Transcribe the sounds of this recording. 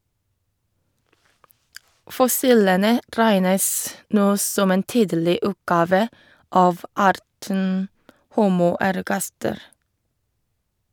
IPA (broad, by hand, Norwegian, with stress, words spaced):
fɔˈsiːlənə ˈɾæɪnəs ˈnoː ˈsɔm ˈeːn ˈtiːdlɪ ˈʉːtˌɡɑːʋə ˈɑːʋ ˈɑːɾtən ˈhuːmʊ æɾˈɡɑstəɾ